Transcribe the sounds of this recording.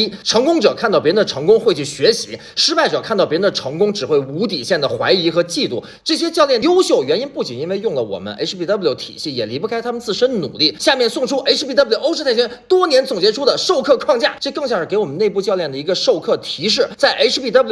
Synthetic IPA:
ʈ͡ʂʰɤ˧˥ŋkʊ˥ŋʈ͡ʂɤ˨˩kʰa˥˩˧nt̪ɑ˥˩pjɛ˧˥˧nd̪ə˧ʈ͡ʂʰɤ˧˥ŋkʊ˥ŋxwe˥˧ɪt͡ɕʰy˥˩ɕɥɛ˧˥ɕḭ˧˥ | ʂɻ̩˥pa˥˩ɪʈ͡ʂɤ˨˩kʰa˥˧nt̪ɑ˥˩pjɛ˧˥ɻə˧˥nd̪ə˩ʈ͡ʂʰɤ˧˥ŋkʊ˥ŋʈ͡ʂɻ̩˨˩xwe˥˩ɪu˧˥t̪̬i˨˩ɕjɛ˥˩nd̪ə˩xwa̰˧˥ɪi˧˥xɤ˧˥t͡ɕi˥˧t̪ṵ˥˩ | ʈ͡ʂɤ˥˩ɕ̬jɛ˥t͡ɕjɑ˥˧ʊljɛ˥˩njo˥ʊɕjo˥˩ʊɥɛ˧˥ni˥npu˥˩t͡ɕḭ˨˩ni˥nwe˥˧ɪjʊ˥˩ŋlə˩wɔ̰˨˩mə̰˦nʔḛ˧˥ʂʰpi˥˩t̪ɑ˥bljo˧˥ʊt̪ʰḭ˨˩ɕi˥˩jɛ̰˨˩li˧˥pu˥˧kʰa˥ɪt̪ʰa˥mə˨nt͡sɹ̩˥˩ʂə˥nə˨nṵ˨˩li˥˩ɕja˥˧mjɛ˥˧nsʊ˥˩ŋʈ͡ʂʰu˥ʔe˥ɪʈ͡ʂ̩ʰ˥pi˥˩t̪ɑ˥bʊʈ͡ʂɻ̩ʰ˥a˥˩ɪɕʰɥɛ˥nt̪wɔ˥njɛ˧˥nt͡sʊ˨˩ŋt͡ɕjɛ˧˥ʈ͡ʂʰu˥d̪ə˨ʂo˥˧ʊkʰɤ˥˧kʰwɑ˥˧ŋt͡ɕja̰˥˩ʈ͡ʂɤ˥˧kɤ˥˧ŋɕjɑ˥˩ŋʂɻ̩˥˩ke˧˥ɪwɔ˨˩mə˦ne˥˧ɪp̬u˥˧t͡ɕjɑ˥˧ʊljɛ˥˩ndə˩i˧˥ɡə˧ʂo˥˧ʊkʰɤ˥˩t̪ʰi˧˥ʂ̬ɻ̩˥˩t͡sa˥˩ɪʔe˥ʈ͡ʂ̩ʰ˥pi˥˩t̪ɑ˥b

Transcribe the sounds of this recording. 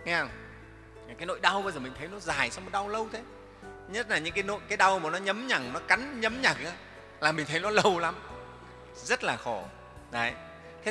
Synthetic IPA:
ŋɛ˧˩˨w | kːaː˨˦jno̰˧˨jɗa˧wɓa˧jzəː˨˩mï˨˩ŋ̟tʰə˨˦jnɔ˨˦zaː˨˩jsa˧wŋ͡mo˨˩t̚ɗa˧wlə˧wt̪ʰe˨˦ | ɲə˦˥t̚laː˨˩ɲɨ̰˧˥ŋkaː˨˦jno̰˧˨jkaː˨˦jɗa˧wmaː˨˩nɔ˨˦ɲə˨˦mɲa˨˩ŋ̚nɔ˨˦ka˨˦nɲə˨˦mɲa˨˩k̚ʔaː˨˦ | laː˨˩mï˨˩ŋ̟t̪ʰə˨˦jnɔ˨˦lə˧wla˨˦m | zə˦˥t̚laː˨˩xɔ˧˩ | zə˨˦j | t̪ʰe˦

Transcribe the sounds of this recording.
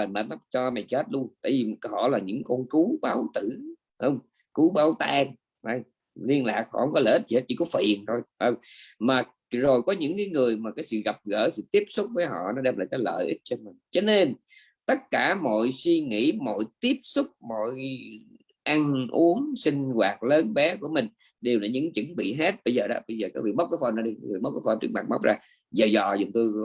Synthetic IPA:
a˨˩ɗa̰ː˧˦ma˦t͡ɕɔ˧ma˨˩jkəː˦˥t̚ɗu˧t̪a̰ː˧˨jvi˨˩hɔ̰˧˨laː˨˩ɲɨ̰˧˥ŋkɔ˧nku˨˦ɓaː˨˦wt̪ɨ˧˨ | hə˧wŋ͡m | ku˨˦ɓaː˨˦wt̪aː˧ŋ | ʔa˧˩j | li˧ənla̰ː˨˩k̚hɔ̰˧˨hə˧˦wŋ͡mkɔ˨˦ləː˧˩ʔi˦˥t̪̚ʰi˨˦˥t̚t͡ɕi˧˦kɔ˨˦fḭ˨˩ənt̪ʰo˧jʔə˧˩wŋ͡mmaː˨˩ | zo˨˩jkɔ˨˦ɲɨ̰˧˥ŋkaː˨˦jŋɨ˨˩əjmaː˨˩kaː˨˦jsɨ̰˧˨ɣa˨˩p̚ɣə̰ː˧˥sɨ̰˧˨t̪i˦˥əp̚sʊ˦˥k͡p̚vəː˨˦jɦɔ̰˧˨nɔ˨˦ɗɛ˧mlaː˨˩kaː˨˦jlə̰ː˧˨jʔi˦˥t̚t͡ɕɔ˧nma˨˩ŋt͡ɕɔ˧ne˧n | t̪ə˦˥t̚kaː˧˩mo̰˧˨jswi˧ŋḭ˧˥mo̰˧˨jt̪i˦˥əp̚sʊ˦˥k͡p̚mɔ̰˧˨j | ʔa˧ŋʔu˨˦əŋsï˧ŋ̟ɣwaː˨˩t̚ləː˨˦nɓɛ˨˦ku˧˩əmï˨˩ŋ̟ | ɗe˨˩wlaː˨˩ɲɨ̰˧˥ŋt͡ɕɨ̰˧˦ŋɓḭ˧˨ɦe˦˥t̚ɓə˧jzəː˨˩ɗɔ̰˨˦˥ɓə˧jzəː˨˩kaː˨˦˥kvḭ˧˨ma˦˥k͡p̚vəː˨˦fə˧nːɔ˨˧˥ɗi˧˦ŋɨ˨˩jɓa˦w̚k͡p̚ːa˨˦fə˧nt͡ɕɨ˦˥ək̚ma˨˩ma̰˦˥wk͡p̚zaː˧˩ | zaː˨˩zɔ̰˧˨zŋ͡mt̪ɨ˧

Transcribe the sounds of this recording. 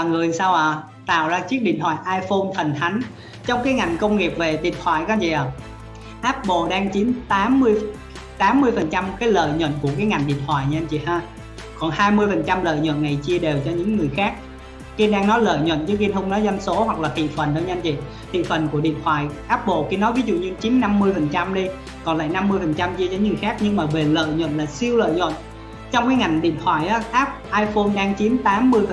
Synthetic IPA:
a˨˩ŋɨ˨˩əsaː˧wʔəː˨˩ | t̪a̰ː˧˨wzaː˧t͡ɕi˦˥ək̚ɗḭ˧˨ənt̪ʰwa̰ː˧˨jʔaː˧jfo˧nfʰə˨˩nt̪ʰa˨˦jŋ̟ | t͡ɕɔ˧wŋ͡mkaː˨˦jŋa˨˩jŋ̟kə˧wŋ͡mŋi˨˩p̚ve˨˩t̪ḭ˧˨ənt̪ʰwa̰ː˧˨jkɔ˨˦zḭ˧˨ʔaː˨˩ | ʔaː˦˥p̚ɓo̰˧˨ɗaː˧ŋt͡ɕi˨˦ənt̪aː˨˦mːɨ˧əj | t̪aː˨˦mːɨ˧əjfə˨˩nt͡ɕa˧mkaː˨˦jlə̰ː˧˨jɲwə̰˧˨nku˧˩əkaː˨˦jŋa˨˩jŋ̟ɗḭ˧˨ənt̪ʰwa̰ː˧˨jɲa˧nt͡ɕḭ˧˨haː˧ | kɔ˨˩nhaː˧jmɨ˧əjfə˨˩nt͡ɕa˧mlə̰ː˧˨jɲwə̰˧˨nna˨˩jt͡ɕi˧əɗe˨˩wt͡ɕɔ˧ɲɨ̰˧˥ŋːɨ˨˩əjxaː˦˥k̚ | ki˧nɗaː˧ŋnɔ˨˦lə̰ː˧˨jɲwə̰˧˨nt͡ɕɨ˨˦ki˧nt̪hʰə˧wŋ͡mnɔ˨˦za˧jnso˨˦hwa˨˩k̚laː˨˩t̪ḭ˧˨fə˨˩nɗə˧ɲa˧nt͡ɕḭ˧˨ | t̪ʰḭ˧˨fə˨˩nku˧˩əɗḭ˧˨ənt̪ʰwaː˧˨˩jʔaː˦˥p̚ɓo̰˧˨ki˧nɔ˨˦vi˨˦zṵ˧˨ɲɨ˧t͡ɕi˨˦nːa˧mːɨ˧əjfə˨˩nt͡ɕa˧mɗi˧ | kɔ˨˩nla̰ː˧˨jna˧mːɨ˧əjfə˨˩nt͡ɕa˧mt͡ɕi˧ət͡ɕɔ˧ɲɨ˦ŋɨ˨˩xaː˦˥k̚ɲɨ˧ŋmaː˨˩ve˨˩lə̰ː˧˨jɲwə̰˧˨nlaː˨˩si˧əwlə̰ː˧˨jɲwə̰˧˨n | t͡ɕɔ˧wŋ͡mkaː˨˦jŋa˨˩jŋ̟ɗḭ˧˨ənt̪ʰwaː˧˩jʔaː˨˦ʔaː˦˥p̚ʔaː˧jfo˧nɗaː˧ŋt͡ɕi˨˦nt̪aː˨˦mːɨ˧əjfə˨˩

